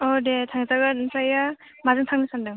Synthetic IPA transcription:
ɔdetʰaŋzaɡat̚nsaja | mazɯŋtʰaŋnɯsandɯŋ

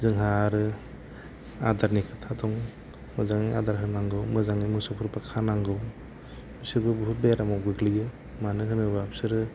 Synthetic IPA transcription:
zɯŋɦaɾɯ | a̰daɾnikʰatʰatɔŋ | mɯzaŋija̰daɾɦɯnaŋɡɯwmɯzaŋimɯsɔpʰɯɾpakʰanaŋɡɯw | misɯɾbɯbuɦut̚beaɾamɔɡɯɡlijɯ | manɯɦɯnɯbapsɯɾɯ

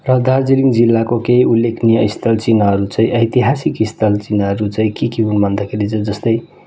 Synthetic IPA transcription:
rʌd̪ʱard͡ziliŋɡd͡zilːakokejulːekʰnijʌist̪ʰʌlt͡sinʌʌɾut͡sʌĩʔʌjt̪iɦasikist̪ʰʌlt͡sinaɦʌɾut͡saĩkikiɦunbʱʌnd̪akʰeɾit͡sʰʌd͡zʌst̪ʌj

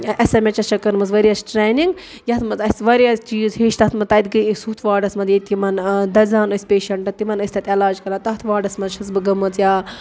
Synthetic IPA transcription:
ɛsemʲet͡ʃɐt͡ʃʰɐkɐnmɐzʋɐɾʲijɐsʈɾeːniŋɡ | jɐt̪ʰmɐzɐsʲʋɐɾijaːzt͡ʃiːzɦeːʃt̪ɐt̪ʰmɐt̪ɐjd̪ɡɨsuːt̪ʰʋaːɖɐsmɐnd̪jet̪imɐnd̪ɐzaːnɐsʲpeːʃɐɳʈɐt̪imɐnɐsʲt̪ɐt̪ɛlaːd͡ʒkɐlat̪ɐɦt̪ʰʋaːɖɐsmɐnʃɐzbɨɡɐmɐt͡sjaː

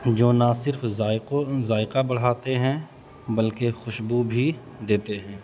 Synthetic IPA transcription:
d͡ʒoːnasɪɾfzaːɪzaːɪqabɐɽ̤aːt̪eɦɛ̃ | bɐlkexʊʃbubʱi | d̪eːt̪eɦɛ̃ː

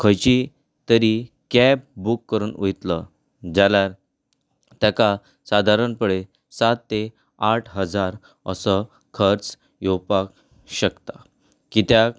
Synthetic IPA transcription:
kʰəjt͡ɕi | t̪əɾi | kɛp̚bukːəɾuːnujt̪lə | d͡zaljaɾ | t̪jaka | sad̪ʱaɾəɳpəɽe | sat̪ːe | aʈʰɦəd͡zaɾ | əsə | kʰəɾt͡s | jowpak | ɕəkt̪a | kit̪jak

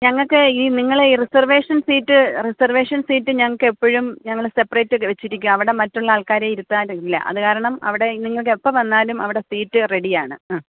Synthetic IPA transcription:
ɲɐŋːɐɭkːɨiːniŋːɐɭiːrisɐrʋe̞ːʂɐnsiːtːɨrisɐrʋe̞ːʂɐnsiːtːɨɲɐŋːɐɭkɨepːoːɻumɲɐŋːɐɭse̞pːɐreːtːɨʋet͡ɕːiɾik̬ʲːumɐʋiɽe̞mɐtːuɭːɐaːɭkaːɾeiɾut̪ːaːlilːɐ̰ʔɐ̰ðɨkaːɾɐɳɐmɐ̰ʋiɽe̞niŋːɐɭkːepːɐʋɐnːaːlumɐʋiɽe̞siːtːɨre̞ɽijaːɳɨː

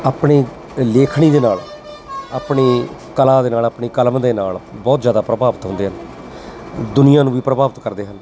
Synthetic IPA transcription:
aːpɳeː | leːkʰɽ̃iːd̪eːnaːl | a̰ːpɳeːkəlãːd̪eːnaːlaːpɳeːkələmd̪eːnaːlbɔːt̪zjaːd̪aːpɾəbaːʋət̪ɦʊ̃nd̪eːɦən | d̪ʊnɪjãːnũːʋiːpɾəbaːʋət̪kəɾd̪eːɦən

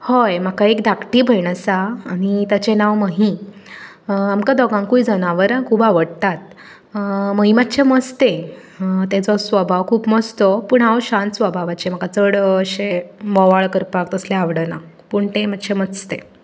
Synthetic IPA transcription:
hojm̤akaekd̪ʱakʈiːbʱəjɳəsaːñit̪jat͡ɕenaʋməɦi | amkad̪ɔɡãŋkuid͡zənaʋəɾãkʰuːpaʋəɽt̪at̪̚ | məɦimat̪ɕeməst̪e | t̪at͡sɔsʋəbʱaʋkʰuːpməd͡zt̪ɔpuɳaʋɕãnt̪sʋəbʱaʋat͡ɕem̤akat͡səɽəɕemɔʋaɭkəɾpak̚t̪əsljaaʋɽəna | puːɳt̪ẽmat̪ːɕʰeməst̪e

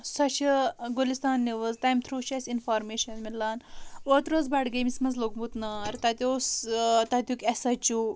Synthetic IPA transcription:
sɐt͡ʃʰiɡolist̪aːnːiʋɐzt̪ajmt̪ʰɾuːʃʰesinfaːɾmeːʃɐnmilːaːnoːt̪ɾoːzbɐʈɡeːmismɐnzlokmut̪naːɾt̪ɐt̪ʲoːst̪ɐt̪ʲjukʲɛsɐt͡ʃu

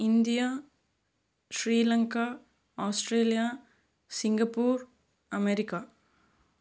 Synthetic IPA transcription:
ɪnd̪ijaː | ʃɾiːlɐŋkaː | aːsʈɾeːlijaː | sɪŋɡɐpːuːɾ | ɐmɛɾɪkːaː

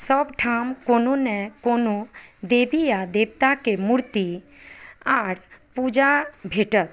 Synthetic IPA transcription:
səbʈʰaːmkoːnõnɛkoːnod̪eːbijad̪eːbt̪akemʊɾt̪i | aːɽpuːd͡ʒabʱeːʈət̪̚

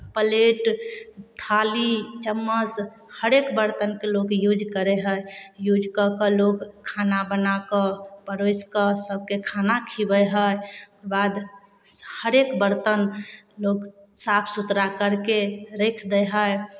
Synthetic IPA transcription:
pəleʈt̪ʰalit͡ʃəmːəs | həɾekbəɾt̪ənkeloɡjud͡ʒkəɾɛɦəjjud͡ʒkəkəlokkʰːanabənakəpəɾoskəsəb̚kekʰanakʰibəjɦəj | ɾbad̪ | həɾekbəɾt̪ənloɡ | sapʰsut̪ɾakəɾkeɾekʰd̪əɦəj

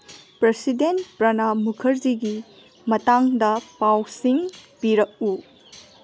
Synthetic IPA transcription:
pɾesidentpɾɐnamukʰɐɾd͡ʒiɡi | mɐtaŋdɐpawsiŋpiɾɐk̚u

